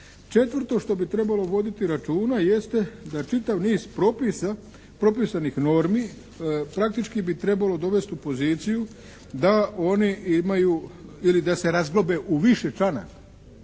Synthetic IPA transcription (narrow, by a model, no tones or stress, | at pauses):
t͡ʃe̞t̪ʋrɾt̪o̞ʃt̪o̞bit̪ɾe̞balo̞ʋo̞d̪it̪iɾat͡ʃuːnaje̞st̪ed̪at͡ʃit̪aʋniːzpɾo̞pisa | pɾo̞pisanixno̞ɾmiː | pɾak̚t̪it͡ʃkibit̪ɾe̞balo̞d̪o̞ʋe̞st̪upo̞ziːt̪siju | d̪ao̞niimajuilid̪ase̞ɾazɡlobe̞ʔuʋiʃe̞t͡ʃana̰k